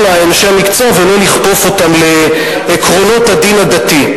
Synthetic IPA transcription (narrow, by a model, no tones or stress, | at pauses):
laenʃeamikt͡sovololiχpo̞fo̞t̪amle̞ː | kʁo̞no̞t̪had̪inad̪at̪i